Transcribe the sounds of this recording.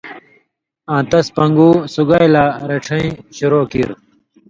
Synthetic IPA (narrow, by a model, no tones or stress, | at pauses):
ãːt̪ɐspɐŋɡuːsuɡajlaːɾeʈ͡ʂʰɐ̃ĩɕuɾoːkḭɾ